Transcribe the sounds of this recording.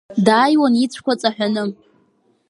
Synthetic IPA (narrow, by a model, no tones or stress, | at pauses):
daːjwanit͡sʷʰkʷat͡sʼaħʷᶣanɨ